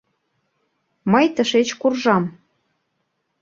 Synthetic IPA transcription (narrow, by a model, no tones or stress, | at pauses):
məjt̪əʃet͡ɕkurʒɑm